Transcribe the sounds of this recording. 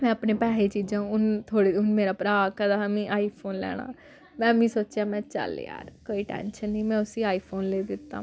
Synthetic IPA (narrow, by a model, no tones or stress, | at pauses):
mɛ̃ːəpneːpɛːɦeːt͡ʃiːd͡ʒãːʊnt̪ʰoːɽeːʊnmeːɾaːpɾaːkɛːd̪aːəmĩːʔaːiːpʰoːnlɛ̰ːɽ̃a̰ː | mɛ̃ːmĩːsoːt͡ʃjaːmɛ̃ːt͡ʃə̰l̰ja̰ːɾkoːiːʈɛ̰̃ːnʃənĩːmɛ̃ːʊsiːaːiːpʰoːnleːd̪ɪt̪ːa̰ː